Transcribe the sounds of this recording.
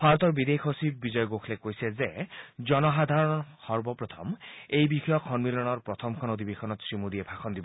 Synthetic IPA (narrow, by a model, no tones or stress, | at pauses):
baɹɔt̪ɔɹbid̪ekʰosibizɔjɔɡokʰlekojsezezɔnɔɦad̪ʱaɹɔnɔxɔɹbɔpɹɔt̪ʰɔmejbixʰɔjɔkʰːɔnmilɔnɔɹpɹɔt̪ʰɔmkʰɔnod̪ʱibekʰɔnɔt̪sɹimud̪iebʰʱaxʰɔnd̪ibɔ